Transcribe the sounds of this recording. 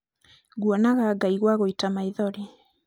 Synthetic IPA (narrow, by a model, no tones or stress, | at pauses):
ɣwɔnaɣaːɡaiɣwaɣoitamaiðɔɾi